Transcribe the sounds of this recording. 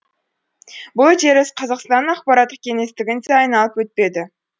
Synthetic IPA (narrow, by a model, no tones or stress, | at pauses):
bʊlˠʒe̞ɾɪsqʰɑzɑqst̪ɑnːɑqpɑɾɑt̪ːəkʲʰeŋe̞st̪ɪɡʲɪnt̪eɑjnɑlˠəpwɵt̪̚pe̞d̪ɪ